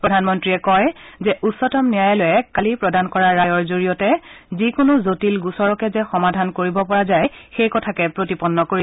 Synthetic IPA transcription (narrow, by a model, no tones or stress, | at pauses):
pɹɔdʱanmɔntɹiɛkɔjzɛʔusɔtɔmnijajɛlojɛkalipɹɔdankɔɹaɹːajɔɹzoɹijɔtɛzikʊnʊzotilɡusɔɹɔkɛzɛxɔmadʱankoɹibɔpɔɹazajxejkɔtʰakɛpɹotipɔnːɔkoɹi